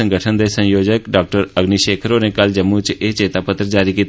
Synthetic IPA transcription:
ə̃ŋɡəʈʰənd̪esə̃joːd͡ʒəkɖaːk̚ʈəɾəɡniʃeːkʰəɾoːnekəld͡ʒəmːut͡ʃeːt͡ʃeːt̪aːpət̪ɾəd͡ʒaːɾikiːt̪

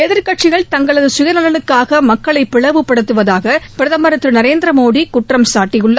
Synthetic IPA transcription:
ɛðɪɾkɐʈ̚t͡ʃɪɣɐɭt̪ɐŋɡɐɭɐðɯsʊjɐnɐlɐnɯkːaːɣɐmɐkːɐɭɐɪpːɪɭɐʋɯpːɐɽɐt̪ːɯʋɐðaːɣɐpɪɾɐðɐmɐɾɐt̪ːɾɯnɐɾeːnd̪ɾɐmoːðikʊʈrɐmsaːʈːɪjɯɭːɐ

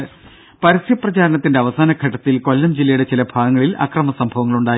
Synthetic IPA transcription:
pɐɾɐsjɐprɐt͡ɕaːɾɐnɐt̪ːindeɐʋɐsaːnɐɡʰʱɐʈːɐt̪ːilko̞lːɐmd͡ʑilːɐjuɽe̞t͡ɕilɐbʱaːɡɐŋːɐɭilʔɐ̰krɐmɐsɐmbʱɐʋɐŋːɐɭuɳɖaː

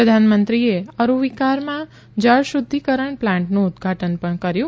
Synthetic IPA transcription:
əd̪ʱanmənt̪ɾieəɾuʋikaɾmã | d͡ʒəɭʃud̪ʱːikəɾəɳplãɳʈnũːd̪ɡʱaʈənpəɳkəɾjũ

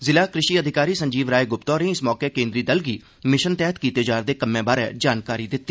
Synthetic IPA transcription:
zɪlaːkɾɪʃiːəd̪ʱɪkaːɾiːsəɲd͡ʒiːʋɾaːeːɡʊpt̪ɔːɾẽːɪsmɔːkeːkẽːnd̪ɾiːd̪əlɡiː | mɪʃənt̪ɛːət̪kiːt̪eːd͡ʒaːɾd̪eːkəmːẽːbaːɾɛ̰ːd͡ʒaːnkaːɾiːd̪ɪt̪ːiː

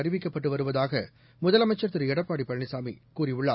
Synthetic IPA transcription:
ɐɾɪʋɪkːɐpːɐʈːɯʋɐɾɯʋɐðaːɣɐ | mʊðɐlɐmɐɪt͡ʃːɐɾt̪ːɯɾɛɽɐpːaːɽipːɐɻɳɪsaːmḭkuːɾiʊɭːaː

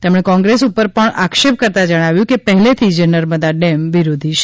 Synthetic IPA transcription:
t̪emɽ̃ekɔ̃ŋɡɾesupːəɾpəɳakʃep̚kəɾt̪ad͡ʒəɽ̃aʋjũkepəɦlet̪ʰid͡ʒenəɾməd̪aɖemʋiɾod̪ʱiʃ

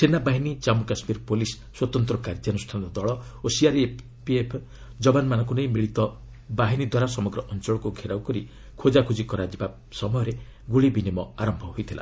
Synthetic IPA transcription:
senabaɦinit͡ʃamukasmiɾpolisːwɔt̪ɔnt̪ɾɔkaɾd͡ʒanusʈʰanɔɔd̪ɔɭɔosiaɾe | piepʰ | d͡ʒɔbanmanɔŋk̬unejmiɭit̪ɔ | baɦinid̪waɾasɔmɔɡɾɔʔɔnt͡ʃɔɭɔkuɡʱeɾawkɔɾi | kʰod͡ʒakʰud͡ʒikɔɾad͡ʒiba | sɔmɔjɔɾe | ɡuɭibinimɔaɾɔmbʱɔɦojt̪ʰila̰

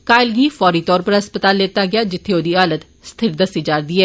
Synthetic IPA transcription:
kaːɪlɡiːfɔːɾiːt̪ɔːɾpəɾɦəspət̪aːlːeːt̪aːɡɪaːd͡ʒɪt̪ʰːeoːd̪iːaːlət̪ | st̪ʰɪɾd̪əsiːd͡ʒaːɾd̪iːɛː

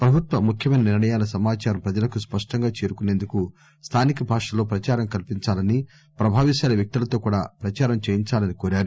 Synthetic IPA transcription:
pɾɐbʱut̪ʋɐmukʰjɐmɐjnɐniɾɳɐjaːlɐsɐmaːt͡ʃaːɾɐmpɾɐd͡ʒɐlɐkuspɐʂʈɐŋɡaːt͡ʃeːɾukune̞ːnd̪uku | st̪ʰaːnikɐbʱaːʂɐloːpɾɐt͡ʃaːɾɐmkɐlpiɲt͡ʃaːlɐni | pɾɐbʱaːʋiʃaːlɐʋjɐk̚t̪ilɐt̪oːkuːɽa̰ːpɾɐt͡ʃaːɾɐmt͡ʃeːjiɲt͡ʃaːlɐnikoːɾaːɾu

